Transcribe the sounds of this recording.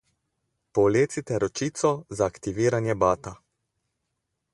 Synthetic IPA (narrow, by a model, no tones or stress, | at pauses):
pɔleːt̪sit̪ɛɾɔt͡ʃiːt̪sɔzaːkt̪iʋiːɾanjɛbaːt̪a